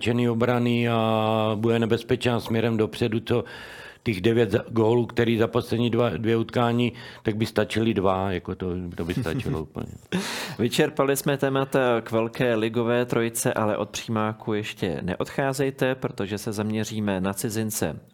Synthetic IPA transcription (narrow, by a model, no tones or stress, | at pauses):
t͡ʃɛniobɾanɪabudɛnɛbɛspɛt͡ʃnaːsmɲɛɾɛmdo̞pr̥ɛduto | t̪ɛɣdɛvjɛt̪zaɡoːluːkt̪ɛɾiːzaposlɛdɲiːdvadvjɛut̪kaːɲiːt̪aɡ̚bɪst̪at͡ʃɪlɪdvajakot̪ot̪obɪst̪a̰t͡ʃɪloupl̩ɲɛ̰vɪt͡ʃɛɾpalɪsmɛt̪ɛːmat̪akvɛlkɛːlɪɡo̞vɛːt̪ɾo̞jɪt͡sɛʔalɛ̰ʔo̞t̪̚pr̝̥iːmaːkujɛʃcɛ̰nɛ̰ʔo̞t̪xaːzɛjt̪ɛpɾo̞t̪o̞ʒɛsɛzamɲɛriːmɛnat͡sɪzɪnt͡sɛ̰